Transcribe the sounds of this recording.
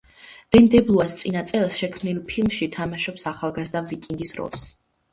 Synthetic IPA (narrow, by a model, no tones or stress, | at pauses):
d̪̥ɛnd̪ɛblˠuast̪sʼinat̪sʼɛlˠsʃɛkʰmnilˠpʰilˠmʃit̪ʰamaʃɔpsaχalˠɡazd̪avikʼiŋɡisɾɔ̰lˠs